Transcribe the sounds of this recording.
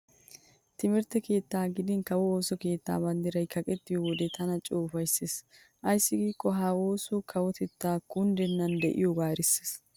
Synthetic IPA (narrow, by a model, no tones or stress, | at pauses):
t̪ɪmɛɾt̪ːɛke̞ːt̪ːaːɡɪd̪ɪnkɐwɔoːsɔke̞ːt̪ːa̰ːbɐnd̪ɪɾɐjkʰɐkʼɛt̪ːɪjɔwɔd̪ɛt̪ʰɐnɐt͡ʃʼoːfɐjsːeːs | ʔɐjsːɪɡiːkʼːɔɦaːwo̞ːsɔkʰɐwɔt̪ɛt̪ːaːkʊnd̪ɛnːɐnd̪ɛ̰ʔɪ̰jɔɡaːɾɪsːe̥s